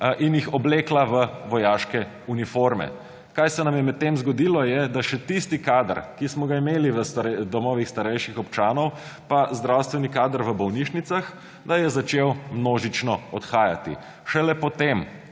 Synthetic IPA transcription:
ʔinjixɔbleːklaʋəʋɔjaːʃkɛ | unifoɾmɛ̰ | kajsɛnamjɛmɛt̪̚t̪ːemzɡɔd̪ilɔjɛd̪aʃɛt̪ist̪ikaːd̪əɾkismɔɡaimeːliʋəst̪ɾɛd̪ɔmɔːʋixst̪aɾɛjʃixɔpt͡ʃaːnɔwpazd̪ɾawst̪ʋɛnikaːd̪əɾʋəbɔwniʃnit̪sax | d̪ajɛzat͡ʃewmnoːʒit͡ʃnɔɔt̪xaːja̰t̪ḭ | ʃɛlɛpɔt̪em

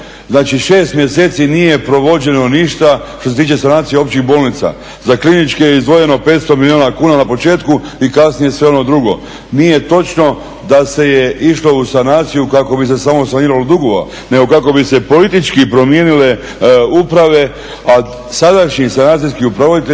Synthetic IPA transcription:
znaːt͡ʃiʃe̞ːst̪mjese̞ːt̪sinije̞pɾo̞ʋo̞d͡ʑe̞no̞niʃt̪aʃt̪oset̪iːt͡ʃesanaːt̪sijeo̞pt͡ɕixbo̞ːlnit̪sa̰ | zaklinit͡ʃkejeizd̪ʋo̞je̞no̞peːt̪st̪omilioːnakuːnanapo̞t͡ʃe̞ːt̪kuikasnije̞sʋe̞o̞no̞d̪ɾuɡo̞̰ | nije̞t̪o̞t͡ʃno̞ | d̪ase̞jeʔiʃlo̞usanaːt̪sijukako̞bis̬e̞samo̞saniːɾalod̪uɡoʋa̰ | ne̞ɡo̞kako̞bise̞po̞lit̪it͡ʃkipɾo̞mje̞ːnile̞ | upɾaʋe̞ | a | sad̪aʃɲisanaːt̪s̬ijskiupɾaʋod̪it̪e

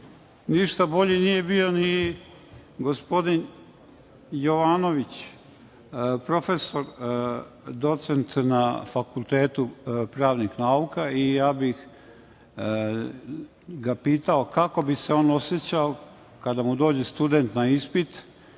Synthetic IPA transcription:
niʃt̪abo̞ʎenije̞bio̞ni | ɡo̞spo̞d̪in | jo̞ʋaːno̞ʋit͡ɕ | pɾo̞fe̞so̞ɾ | d̪o̞t̪sent̪nafakulˠt̪eːt̪upɾaːʋnixnaukaijaːbix | ɡapiːt̪aokako̞bise̞o̞ːno̞sjet͡ɕao | kad̪amud̪o̞ːd͡ʑist̪ud̪ent̪naispit̪

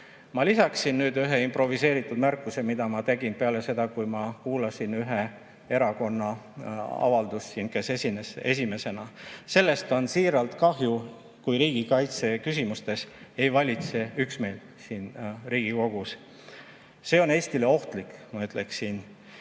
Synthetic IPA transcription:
mɑlisɑksinːyːd̪yɦeimpro̞vise̞ːɾit̪ːˑud̪̥mærkˑːuse̞mid̪̥ɑmɑt̪e̞ɡ̥inpeɑle̞se̞d̪̥ɑkujmɑkuːlɑsinyɦe̞ | e̞ɾɑko̞nːɑ | ɑ̰vɑld̪usːinke̞sesinese̞̰s̬ime̞se̞nɑse̞lːe̞st̪o̞nsiːɾɑlt̪kɑɦju | kujɾiːɡ̥ikɑjt̪se̞kysimust̪e̞se̞jvɑlʲit̪se̞yksme̞ːl | siːnriːɡ̥iko̞ɡ̥us | se̞o̞ne̞ːsʲt̪ile̞o̞ht̪likˑmɑyt̪ˑle̞ksin

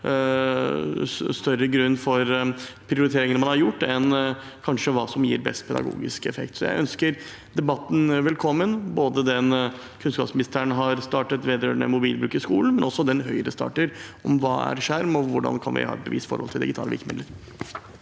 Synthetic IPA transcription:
st̪œɾːəɡɾʉnːfɔɾpʰɾɪʊɾɪt̪ʰeːɾɪŋənəmɑnhɑɾjʊʈːɛn | kʰɑnʂəʋɑːsɔmjiːɾbɛ̰st̪̚pʰɛd̪ɑ̰ɡṵːɡɪ̰skɛfɛkt̪sɔjæ̰ɪʔœnskəɾ | d̪ɛbɑt̪ːn̩ʋɛlkʰɔmːənboːd̪əd̪ɛn | kʰʉnskɑːpsmɪnɪst̪əəɳɦɑɾst̪ɑːʈət̪ʋeːd̪əɾøːɳə̰mʊbiːlbɾʉːkɪskuːln̩mɛnɔsːɔd̪ɛnɦœʏəɾəst̪ɑ̰ːʈəɾɔmʋɑːæ̰ɾʂæɾmɔʋʊɖɑ̰nkʰɑ̰nʋɪ̰hɑ̰ːɛt̪̚bəʋiːst̪fɔ̰ɾhɔlt̪ʰɪld̪ɪɡɪt̪ʰɑːləʋɪ̰lkəmɪd̪əɾ

